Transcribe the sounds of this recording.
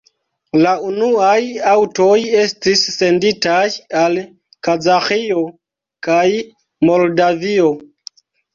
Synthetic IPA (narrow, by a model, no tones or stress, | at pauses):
launuajawto̞je̞stisːe̞nditajal | kazaxio̞ | kaj | mo̞ldavio̞